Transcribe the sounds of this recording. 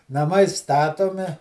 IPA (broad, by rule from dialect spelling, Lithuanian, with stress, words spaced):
nɐˈmɐɪ ˈstɑːtoːmʲɪ